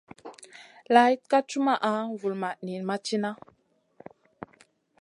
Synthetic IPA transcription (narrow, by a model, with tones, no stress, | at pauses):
la˨˦i˦t̚ka˦t͡ʃu˦ma˨ʔa˨˦vu˨lma˨ni˨nma˦t͡ʃi˦na˦